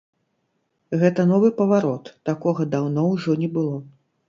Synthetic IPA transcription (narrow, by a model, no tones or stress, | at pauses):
ɣɛt̪ɐnɔvɨpɐvaɾɔt̪ːakɔɣɐd̪awnɔwʐɔnʲɛbɨlˠɔ